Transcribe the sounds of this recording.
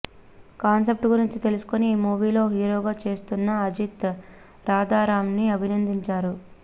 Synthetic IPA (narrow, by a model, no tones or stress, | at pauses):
kaːns̬e̞p̚ʈɡuɾiɲt͡ʃit̪e̞lusu̥ko̞niːmuːʋiːlo̞ːɦiːɾoːɡaːt͡ʃe̞ːst̪unːɐɐd͡ʒit̪ | ɾaːd̪aːɾaːmniɐbʱinɐnd̪iɲt͡ʃaːɾu